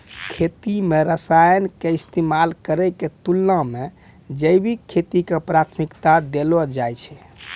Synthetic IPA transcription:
kʰet̪imeɾəsajənkeist̪emalkəɾɛket̪ulːãme | d͡ʒəjbikʰːet̪ikepɾat̪ʰmikt̪ad̪elɔd͡ʒajt͡ʃʰɛ

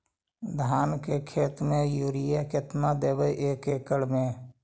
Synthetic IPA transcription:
d̪ʱaːnkekʰeːt̪mẽjuːɾɪjaket̪mad̪eːbəʔeːkeːkəɽmẽː

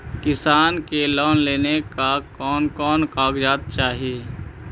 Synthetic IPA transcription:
kɪsaːnkelɔːnleːnekakɔːnkɔːnkaːɡd͡ʒaːt̪̚t͡ʃaːɦieː

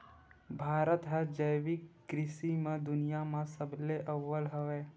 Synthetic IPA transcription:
bʱaːɾət̪ɦɛd͡ʒəjwɪkːɾɪʃimẽd̪ʊnijamãsəbleʔəʋːəlɦəʋeː

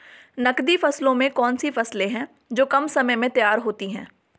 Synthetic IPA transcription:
nɐkd̪ifɐslõmẽkɔːnsifɐslẽɦɛ̃ː | d͡ʒoːkɐmsɐməjmẽt̪ɐjaːɾɦoːt̪iɦɛ̰̃ː

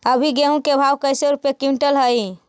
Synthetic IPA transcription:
əbʱiɡeɦũkebʱawkəjseɾupekiɳʈəlɦəj

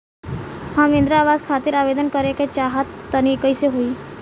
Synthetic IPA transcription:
hãmẽnd̪ɾaaʋazkʰat̪iːɾaʋed̪ənkəɾeket͡ʃaɦat̪ːənikəjseɦoiː

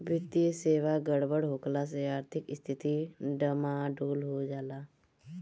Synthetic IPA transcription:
bɪt̪ijəseːʋaɡəɽbəɽɦoːklas̬eaːɾt̪ʰɪkɪst̪ʰɪt̪iɖəmaɖoːlɦod͡ʒaːlaː

